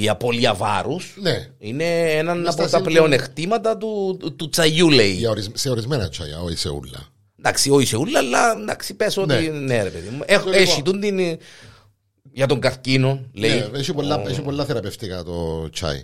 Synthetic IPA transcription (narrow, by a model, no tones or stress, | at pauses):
iɐpo̞liɐvɐ̰ɾusneine̞enɐnɐpot̪ɐple̞o̞ne̞xt̪imɐt̪ɐt̪ut̪ut͡sɐjuleiɐoɾizseoɾizmenɐt͡ʃʰɐ̰jɐ̰oḭsḛṵlːɐ̰ | nd̪aksioiseulːɐlːɐnd̪ɐksipesoonineɾepe̞ðimueeit̪und̪in | ʝɐt̪oŋɡɐθcino̞nleieçipolːɐeçipolːɐθeɾɐpeft̪ikɐt̪o̰t͡ʃʰɐ̰ḭ